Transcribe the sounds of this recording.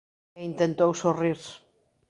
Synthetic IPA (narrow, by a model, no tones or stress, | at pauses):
int̪ent̪owsoriɾ